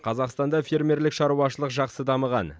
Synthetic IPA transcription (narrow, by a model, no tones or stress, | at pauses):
qʰɑzɑqst̪ɑnd̪ɑfʲe̞ɾmʲe̞ɾlɪkʃɑɾuɑʃəlˠəqʒɑqsəd̪ɑməʁɑ̰n